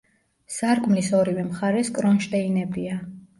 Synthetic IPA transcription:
saɾkʼmlisɔɾivɛmχaɾɛskʼɾɔnʃt̪ʼɛinɛbia

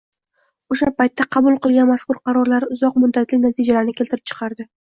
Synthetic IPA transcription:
oʃapajt̪ʰːaqʰɑbʊlˠqɨlˠɡʲanmaskʊɾqʰɑɾɒɾlaɾʊzɒqmʊd̪ːat̪lɪkʲnat̪ʰid͡ʒalaɾnɪkʲelt̪ɪɾɪp̚t͡ʃʰɨ̥qʰɑɾd̪ɪ

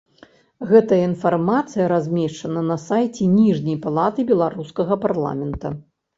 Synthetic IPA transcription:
ɣɛt̪ɐjɐinfarmat̪sɨjɐɾazʲmʲɛʂt͡ʂɐnɐnɐsajt͡sʲɛnʲiʐnʲɐjpalˠat̪ɨbʲɛlˠaɾuskɐɣɐparlˠa̰mʲɛnt̪ɐ̰

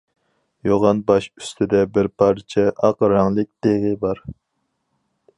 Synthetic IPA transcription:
joʁɑnbɑʃy̥st̪ʰɪd̪ɛbɪɾpʰɑɾt͡ʃʰɛʔɑqɾɑŋlˠɨk̚ʲd̪̥eʁəbɑɾ

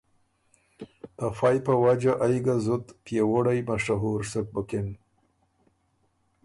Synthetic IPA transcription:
t̪afɑjpawad͡ʒaʔajɡazʊt̪pjewoɽajmaʂaɦuɾsək̚bəkɪn

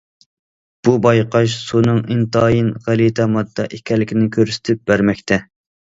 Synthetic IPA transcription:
b̥ubɑjqɑʃ̬sunɨŋint̪ɑːjinʁælit̪ʰɛmɑd̪ːɑʔikʲʰɛlːɪkʲinɪkʲʰøɾsɪ̥t̪ʰɪp̚bæɾmɛkʲt̪ʰɛ

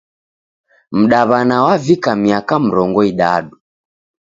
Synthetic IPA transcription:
m̩ɗaβanawavikamiakam̩ɾɔŋɡɔiɗa̰ɗu

